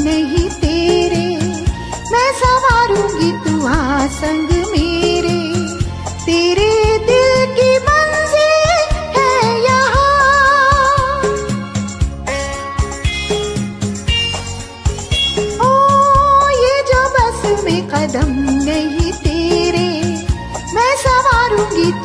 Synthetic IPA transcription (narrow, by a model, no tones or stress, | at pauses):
nɐɦĩt̪eːɾe | mɛ̃ːsɐmaːɾũːɡit̪uãsɐ̃ŋɡmeːɾe | t̪eːɾed̪ɪlkimɐnzɪlhɛjɐɦa | oː | jed͡ʒoːbɐsmẽqɐd̪əmnɐɦĩt̪eːɾe | mɛ̃sɐʋaːɾũːɡit̪